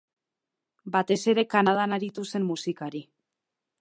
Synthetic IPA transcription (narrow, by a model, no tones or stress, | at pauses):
bat̪e̞se̞ɾe̞kanað̞anaɾit̪use̞mmusikaɾi